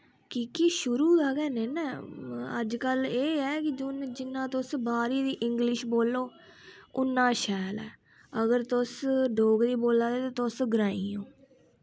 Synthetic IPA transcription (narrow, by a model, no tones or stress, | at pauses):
kikiʃʊɾuːd̪aːɡɛːneːnɛːə̰d͡ʒkəleːɛːkɪd͡ʒʊnd͡ʒɪnːãːt̪ʊsbaːɾiːd̪iːʔɪŋɡlɪʃboːlːoː | ʊnːãːʃɛːlɛ̰ː | əɡəɾt̪ʊsɖoːɡd̪iːboːlaːd̪eːt̪ãːt̪ʊsɡɾaːiːoː